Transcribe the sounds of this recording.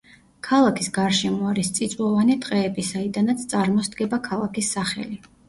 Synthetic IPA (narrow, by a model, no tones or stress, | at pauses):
kʰalˠakʰisɡaɾʃɛmɔaɾist̪sʼit̪sʼwɔvanit̪ʼqʼɛːbisaid̪anat̪sʰt̪sʼaɾmɔsd̪ɡɛbakʰalˠakʰisːaχɛ̰li